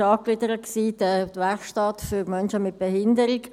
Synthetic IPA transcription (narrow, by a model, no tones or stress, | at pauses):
ɑːklɪdəɾətksiːdət̪ʋɛχʃtɑtfyɾmœnʃəmɪt̚b̥ɛhɪndəɾɪk